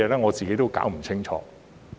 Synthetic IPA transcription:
ɛː˨˩lɛː˥ŋɔː˨˧t͡siː˨ke˨˥jt̪o˥wka̰ː˨˥wm̩˨˩t͡sʰɪ˥ŋt͡ʃʰɔ̰ː˨˧

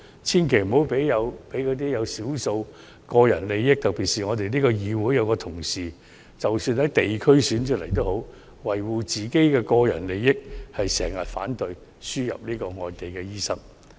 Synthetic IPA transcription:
t͡sʰiː˥nkʰe˨˩jm̩˨˩ho˨˥wpe˨˥jːɐ˨˧wpe˨˥jkʰɵ˨˧t̪iː˥jɐ˨˧wsiː˨˥wso˧w | kɔː˧jɐ̰˨˩nle˨jːɪ˥k̚t̪ɐ˨k̚piː˨t̚siː˨ŋɔː˨˧t̪e˨jniː˥kɔː˧jiː˨˧wuː˨˥jɐ˨˧wkɔː˧t̪ʰʊ˨˩ŋsiː˨˩ | t͡sɐ˨wsyː˧nhɐ˨˥jt̪e˨jkʰɵ˥ɥsyː˨˥nt͡ʃʰɵ˥k̚lɐ˨˩jt̪o˥who˨˥w | wɐ˨jwuː˨t͡siː˨ke˥jkɛː˧kɔː˧jɐ̰˨˩nle˨jːɪ˥k̚hɐ˨jsɛː˨˩ŋːɐ˨t̚fa̰ː˨˥nt̪ɵ˨ɥ | syː˥jɐ̰˨p̚niː˥kɔː˧ŋɔː˧jt̪e˨jkɛː˧jiː˥sɐ˥ŋ

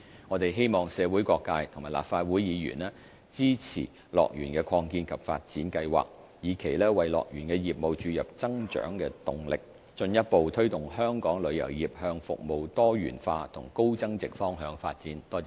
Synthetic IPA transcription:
ŋɔː˨˧t̪e˨jɦe˥jmɔː˨˩ŋsɛː˨˧wu˨˥jkʷɔː˧kːaː˧jt̪ʰʊ˨˩ŋmaː˨˩la̰ː˨pfaː˧t̚wuː˨˥jjiː˨˧jy̰ː˨˩nɛː˥ | t͡siː˥t͡sʰḭː˨˩ | lɔ̰ː˨k̚jyː˨˩nkɛː˧kʰɔː˧ŋkiː˧nkʰɐ˨pfa̰ː˧t̚t͡siː˨˥nkɐ˧jwa̰ː˨˩k̚ | jiː˨˥kʰe˨˩jlɛː˥wɐ˨jlɔ̰ː˨k̚jy̰ː˨˩nkɛː˧jiː˨p̚mo˨wt͡ʃyː˨˧jɐ˨p̚t͡sɐ˥ŋt͡ʃœ̰ː˨˥ŋkɛː˧t̪ʊ˨˩ŋlɪ˨k̚ | t͡ʃɵ˧njɐ˥t̚po˨wt̪ʰɵ˥ɥt̪ʊ˨ŋhœː˥ŋkɔː˨˥ŋlɵ˨˧ɥjɐ̰˨˩wjiː˨˩p̚hœː˧ŋfʊ̰˨k̚mo˨wt̪ɔː˥jy̰ː˨˩nfaː˧t̪ʰʊ̰˨˩ŋko˥wt͡sɐ˥ŋt͡sɪ˨k̚fɔː˥ŋɦœː˨˥ŋfa̰ː˧t̚t͡siː˨˥nt̪ɔː˥

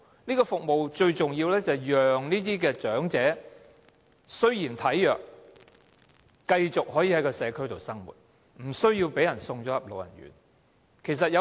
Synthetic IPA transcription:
niː˥kɔː˧fʊ˨k̚mo˨wt͡ʃɵ˧ɥt͡sʊ˨ŋjiː˧wlɛː˥t͡sɐ˨˩jjœː˨ŋniː˥t̪iː˥kɛː˧t͡ʃœː˨˥ŋt͡sɛː˨˥ | sɵ˥ɥjiː˨˩nt̪ʰɐ˨˥jːœː˨k̚ | kɐ˧jt͡sʊ˨k̚ɦɔː˨˥jiː˧hɐ˨˥jkɔː˧sɛː˨˧kʰɵ˥ɥt̪o˨˩wsɐ˥ŋmṵː˨˩t̚ | m̩˨˩sɵ˥ɥjiː˧wpe˨˥jɐ˨˩nsʊ˧ŋt͡ʃɔː˨˥jɐ˨˩p̚lo˨˧wjɐ̰˨˩nɥy̰ː˨n | kʰe˨˩js̬ɐ˨t̚jɐ˨˧

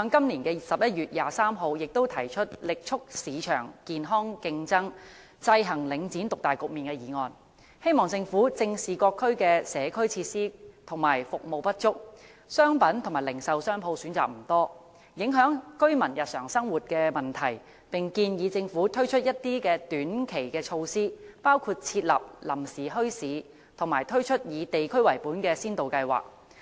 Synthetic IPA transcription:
hœː˨˧ŋkɐ˥mliː˨˩nkɛː˧sɐ˨p̚jɐ˥t̚ɥyː˨t̚jaː˨saː˥mɦo˨˧wjɪ˨k̚t̪o˥wt̪ʰɐ˨˩jt͡ʃʰɵ˥t̚lɪ˨k̚t͡ʃʰʊ˥k̚siː˨˧t͡ʃʰœ̰ː˨˩ŋkiː˨nɦɔː˥ŋkɪ˧ŋt͡sɐ˥ŋ | t͡sɐ˧jɦɐ˨˩ŋlɪ˨˧˥ŋt͡siː˨˥nt̪ʊ˨k̚t̪aː˨jkʊ˨k̚miː˨nkɛː˧jiː˨˦ŋɔː˨˧n | he˥jmɔː˨ŋt͡sɪ˧ŋfuː˨˥t͡sɪ˧ŋsiː˨kɔː˧kʰːɵ˥ɥkɛː˧sɛː˨˥kʰɵ˥ɥt͡sʰiː˧t̚siː˥t̪ʰʊ˨˩ŋmaː˨˩jfʊ˨k̚mo˨˧wpɐ˥t̚t͡ʃʊ˥k̚ | sœː˥ŋpɐ˨˥nt̪ʰʊ˨˩ŋmaː˨˩lɪ˨˩ŋsɐ˨wsœː˥ŋpʰo˧wsyː˨˥nt͡sa̰ː˨k̚m̩˨˩t̪ɔː˥ | jɪ˨˥ŋɦœː˨˥ŋkɵ˥ɥmɐ˨˩njɐ˨t̚sœ̰ː˨˩ŋsɐ˥ŋwuː˨t̚kɛː˧mɐ˨nt̪ʰɐ˨˩j | pɪ˨ŋkiː˧njiː˨˧t͡sɪ˧ŋfuː˨˥t̪ʰɵ˥ɥt͡ʃʰɵ˥t̚jɐ˥t̚t̪iː˥kɛː˧t̪yː˨˥nkʰe˨˩jkɛː˧t͡ʃʰo˧wsiː˥paː˥wkʰuː˧t̚t͡sʰiː˧t̚lɐ̰˨p̚lɐ˨˩msiː˨˩ɦɵ˥ɥsiː˨˧ | t̪ʰʊ˨˩ŋmaː˨˩jt̪ʰɵ˥ɥt͡ʃʰɵ˥t̚jiː˨˧t̪e˨jkʰɵ˥ɥwɐ˨˩jpuː˨˥nkɛː˧siː˥nt̪o˨wkɐ˧jwa̰ː˨k̚

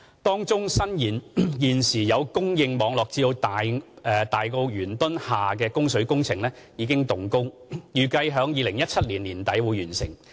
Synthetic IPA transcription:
t̪ɔː˥ŋt͡sʊ˥ŋsɐ˥njiː˨˩njiː˨nsiː˨˩jɐ˨˧wkʊ˥ŋjɪ˧ŋmɔː˨˧ŋlɔː˨k̚t͡siː˧d̪o˧wt̪ː | ɛ˨˧t̪aː˨jkɔ˧wjyː˨˩nt̪ʊ˥nhaː˨k̬ɛː˧kʊ˥ŋsɵ˨˥ɥkʊ˥ŋt͡sʰɪ˨˩ŋlɛː˥ | jiː˨˧kɪ˥ŋt̪ʊ˨ŋkʊ˥ŋjyː˨˩kɐ˧jɦœː˨˥ŋjiː˨˧lɪ˨˩ŋjɐ˥t̚t͡sʰɐ˥t̚liː˨˩nliː˨˩nt̪ɐ˨˥jwu˨˧jyː˨˩nsɪ̰˨˩ŋ

